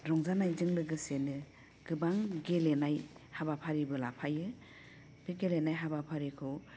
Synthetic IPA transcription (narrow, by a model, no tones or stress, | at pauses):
ɾɔŋzanajzɯŋlɯɡɯsenɯ | ɡ̥ɯbaŋɡelenajhabapʰaɾibɯlapʰajɯ | b̥iɡelenajɦabapʰaɾikʰɯw